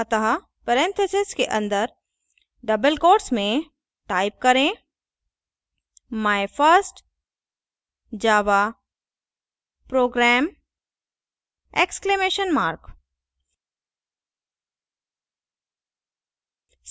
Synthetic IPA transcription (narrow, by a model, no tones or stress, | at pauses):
ɐt̪ɐɦa | pəɾɛ̃nt̪ʰɐsɪskeʔɐ̃nd̪əɾ | ɖɐbəlkoːʈsmẽ | ʈaːɪp̚kɐɾẽ | maːɪfəɾsʈ | d͡ʒaːʋa | pɾoːɡɾɛːm | eksklemeːʃənmaːɾk